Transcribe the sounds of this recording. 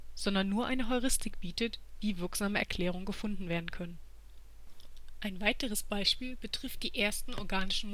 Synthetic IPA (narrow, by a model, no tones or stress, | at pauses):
z̥ɔndɐnːuːɐʔaɪnəɦɔʏʁɪstʰɪkb̥iːtətv̥iːvɪɐkz̥aːməɛ̰ɐkʰl̥ɛːʁ̞ʊŋənɡəfʊndn̩veːɐdn̩kʰœnən | ʔaɪnvaɪtəʁ̞əsb̥aɪʃpiːlb̥ətʁ̥ɪft̚d̥iːʔeːɐstn̩ɔɐɡaːnɪʃn̩m